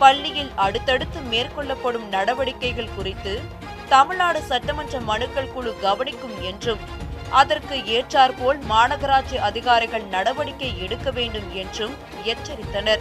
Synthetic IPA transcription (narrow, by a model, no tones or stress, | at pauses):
pɐɭːɪjɪlɐɽɯt̪ːɐɽɯt̪ːɯmeːrkɔɭːɐpːɐɽɯmnɐɽɐʋɐɽɪkːɐɪɣɐɭkʊrɪt̪ːɯ | t̪ɐmɪɭnaːɽɯsɐʈːɐmɐndrɐmɐnɯkːɐɭkuɭɯɡɐʋɐnɪkːɯmɛndrɯm | ʔɐðɐrkɯeːʈraːɾpoːlmaːnɐɣɐɾaːt͡ʃiʔɐðɪɣaːɾɪɣɐɭnɐɽɐʋɐɽɪkːɐɪɛɽɯkːɐʋeːɳɖɯmɛndrɯm | ɪjɐt͡ʃːɐɾɪt̪ːɐnɐɾ